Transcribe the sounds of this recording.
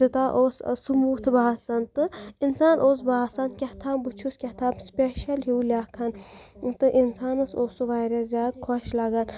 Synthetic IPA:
ɨt̪aʔoːssɨmuːt̪ʰɨbaːsɐnt̪ɨinsaːnʔoːs̬baːsɐnkʲɐt̪ʰaːmbɨt͡ʃʰuskʲɐt̪ʰaːmspʲeʃɐlɦuːlʲakʰɐnt̪ɨʔinsaːnɨsoːsuʋajɾɐzʲjaːd̪̚kʰoʃlaɡɐn

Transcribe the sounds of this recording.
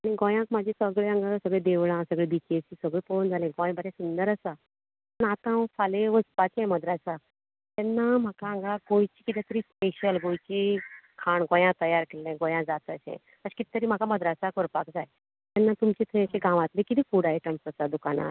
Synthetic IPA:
aɽ̃iɡõjãkmad͡ʑʱisəɡɭeə̃ŋɡasəɡɭed̪eʋɭãsəɡɭebit͡ɕesisəɡɭepond͡zʱalẽɡɔ̃j̃bəɾẽsund̪əɾəsa | pəɳat̪ãfaleʋəspat͡ɕẽməd̪ɾasa | t̪ɛnːam̤akaə̃ŋɡaɡojt͡ɕiːkit̪ɛt̪əɾiːspeɕəlɡojt͡ɕikʰaɳɡõjãt̪əjaɾkelẽɡõjãd͡zat̪əsḛ̃ | əɕi̥kit̪ːt̪əɾiːm̤akaməd̪ɾasakoɾpakd͡zaj | t̪ɛnːat̪umt͡ɕet̪ʰeɕeɡʱãʋat̪lẽkit̪iːkuɽaeʈəmsəsad̪ukana̰

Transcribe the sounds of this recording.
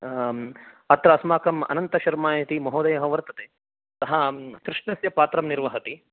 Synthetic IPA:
ɐt̪ɾɐːsmaːkɐmɐ̰nɐnt̪ɐʃɐɾmaːjɐt̪imɐɦoːd̪ɐjɐɦɐʋɐɾt̪ɐt̪eː | t̪ɐɦɐt̪ɾɪʂnɐsjɐpaːt̪ɾɐmniɾʋɐɦɐt̪i

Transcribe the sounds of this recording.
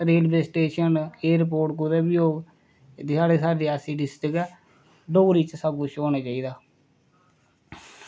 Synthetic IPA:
ɾeːlbeːsʈeːʃəneːɾp̬oːɾʈkʊd̪eːbioːɡ | d̪aːɽeːsaːɖiːaːsiːɖɪsʈəkɛ | ɖoːɾiːt͡ʃsaɡuːt͡ʃoːnaːt͡ʃaːiːd̪aː

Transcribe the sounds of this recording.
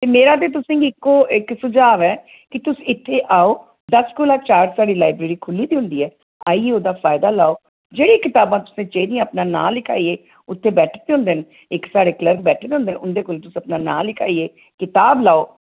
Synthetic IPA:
t̪eːmeːɾaːt̪̬eːt̪̬ʊsẽːɡiɪkːoːɪksʊd͡ʒaːʋɛː | kɪt̪ʊsɪt̪ʰːeːʔaːoː | d̪əskoːlaːt͡ʃaːɾsaːɽiːlaːɪbɾeːɾiːkʰʊlːiːd̪iːɦʊ̃nd̪iːɛː | aːiːeːoːd̪aːfʰaːjɪd̪aːlaːoː | d͡ʒeːɽiːkɪt̪aːbãːt̪ʊ̥sẽːt͡ʃeid̪iãːəpnaːna̰ːlɪkʰa̰ːiːeː | ʊt̪ʰːeːbɛːʈʰːt̪eɦʊ̃nd̪eːn | ɪksaːɽeːkləɾkbɛːʈʰeːd̪eʊ̃nd̪eːnʊnd̪eːkoːlt̪ʊsəpnaːnaːlɪkʰa̰ːieː | kɪt̪aːblaːoː

